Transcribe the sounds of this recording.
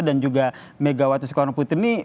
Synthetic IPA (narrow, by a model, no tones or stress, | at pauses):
dand͡ʒuɡa | meɡawat̪usə̥kɔɾaŋput̪ɪni